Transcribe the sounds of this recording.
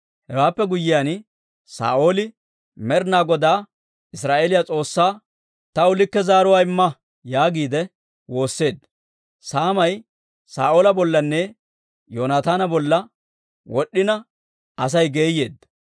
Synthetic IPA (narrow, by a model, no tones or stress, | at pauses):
hɛwaːpːɛɡʊjːɪjan | sa̰ːʔo̞ːlɪ | mɛɾnaːɡɔd̪aː | ɪsɾaːʔeːlɪjat͡sʼo̞ːsːaː | t̪ɐʊlɪkːɛzaːɾʊwaːɪmːɐ | jaːɡiːd̪ɛ | wo̞ːsːe̞ːd̪ | saːmɐj | sa̰ːʔo̞ːlɐbɔlːɐnːɛ | joːnaːt̪aːnɐbɔlːɐ | wɔɗːɪnɐ | ɐs̬ɐjɡe̞ːjːe̞̰ːd̪ɐ